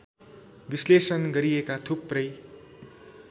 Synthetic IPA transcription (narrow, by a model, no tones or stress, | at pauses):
bislesʌnɡʌɾijekat̪ʰupːrʌj